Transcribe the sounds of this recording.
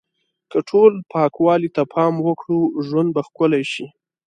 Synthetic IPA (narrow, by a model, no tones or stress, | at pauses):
kəʈʰolpʰɑkwɑlit̪apʰɑmwəkɽuʒwand̪̚baxkʊlajʃi